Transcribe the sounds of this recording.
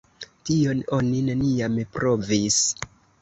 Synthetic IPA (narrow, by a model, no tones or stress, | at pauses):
tio̞no̞nineniamepɾʔo̞vis